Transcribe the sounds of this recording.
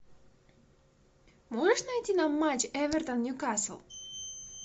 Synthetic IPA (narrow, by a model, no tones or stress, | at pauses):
moʒeʃnajt̪ʲinamːat͡ɕeʋeɾt̪anːjukaslˠ